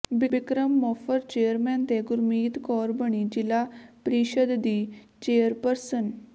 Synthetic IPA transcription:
bibikɾəmːɔfəɾt͡ɕejəɾmɛ̃nt̪eɡuɾmiːt̪kɔːɾbəɳid͡ʑilapɾiɕəd̪d̪iː | t͡ɕeːjəɾpəɾsən

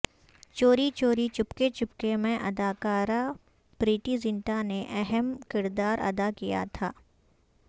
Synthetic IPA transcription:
t͡ʃoːɾit͡ʃoːɾit͡ʃʊpket͡ʃʊp̚kemẽʔɐd̪aːkaːɾa | pɾiːʈizɪ̃ɳʈaneʔɛɦɛmkɪɾd̪aːɾɐ̰d̪akija̰t̪ʰaː

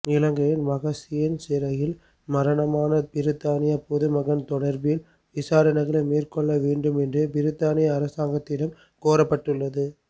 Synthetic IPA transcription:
ɪlɐŋɡɐjɪnʋɐɣɐsɪjɪnsɪɾɐjɪl | mɐɾɐɳɐmaːnɐpɪɾɯt̪ːaːnɪjɐpɔðɯmɐɣɐnt̪ɔɽɐɾbɪl | ʋɪsaːɾɐnɐɣɐlɐmeːrkɔɭːɐʋeːɳɖɯmɛndrɯpɪɾɯt̪ːaːnɪjɐːɾɐsaːŋɡɐt̪ːɪɽɐm | koːɾɐpːɐʈːɯɭːɐðɯ

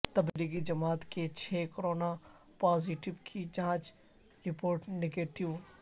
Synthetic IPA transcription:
t̪ɐbliɡid͡ʒɐmaːt̪ket͡ʃʰeːkɾoːna | paːziʈɪʋkʰid͡ʒɐãːt͡ʃ | ɾɪpoːɾʈneɡeːʈɪʋ

